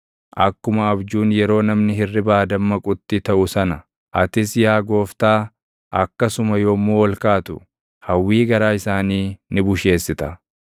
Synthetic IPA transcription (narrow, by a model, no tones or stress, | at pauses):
ʔɐkːʊmɐɐbd͡ʒuːnjɛɾo̞ːnɐmnɪhɪrːɪbaːd̪ɐmːɐkʼʊt̪ːɪt̪ɐʔʊsɐnɐ | ʔɐt̪ɪsjaːɡo̞ːft̪aː | ʔɐkːɐsʊmɐjoːmːoːwɔlkaːt̪ʊ | hɐwːiːɡɐɾaːɪsaːniːnɪbʊʃe̞ːsːɪt̪ɐ